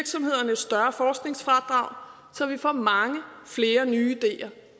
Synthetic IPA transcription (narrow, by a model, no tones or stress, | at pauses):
ɐɡ̥sɒ̽mhe̝ð̞̰ˠɐnəsːd̥ɶɐfɒːsɡ̥ne̝ŋsfʁɑd̥ʁɑ̈ʊ̰ | sɒ̽ʋifɒ̰ːmɑ̈ŋəfle̝ːɐnyːid̥e̝̰ːɐ